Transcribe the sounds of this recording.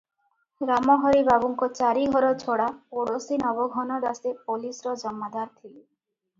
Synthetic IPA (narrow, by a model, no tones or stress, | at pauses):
ɡɾamɔɦɔɾibabuŋkɔt͡ʃaɾiɡʱɔɾɔt͡ʃʰoɽapoɽosinɔbɔɡʱɔnɔd̪asepolisɾɔd͡ʒɔmːad̪aɾt̪ʰile